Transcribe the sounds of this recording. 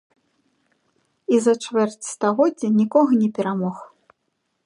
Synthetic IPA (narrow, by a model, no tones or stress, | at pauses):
izɐt͡ʂvɛrt͡sʲst̪aɣɔd͡zʲɐnʲikɔɣɐnʲɛpʲɛɾamɔx